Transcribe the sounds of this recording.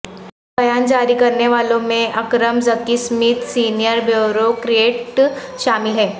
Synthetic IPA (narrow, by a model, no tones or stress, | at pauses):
bɐjaːnd͡ʒaːɾikɐɾneʋaːlõmẽʔɐkɾəmzɐkismit̪siːnijəɾbjoɾokɾieːʈʃaːmɪlɦɛː